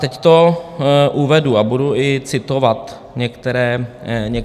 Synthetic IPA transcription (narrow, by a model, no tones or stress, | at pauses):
t̪ɛct̪o | ʔuvɛduabuduʔɪt͡sɪt̪ovat̪ | ɲɛkt̪ɛɾɛːɲɛ